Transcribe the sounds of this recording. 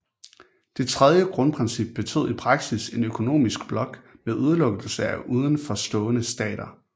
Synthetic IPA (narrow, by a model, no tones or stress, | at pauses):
d̥e̝t͡sʰʁɛð̞ˠjəɡ̥ʁɔ̽npʰʁɛnsib̥̚ːe̝t͡sʰo̰ðˠipʰʁɑ̈ɡ̥sise̝nøkʰo̝no̝̰ːmisɡ̥̚b̥lɒ̽ɡ̥meðˠuð̞ˠlɔ̽ɡ̥l̩səæʔuːð̞ˠən̩fɒ̽sd̥ɔ̰̽ːnəsd̥ɛ̰ːɾ̥ɐ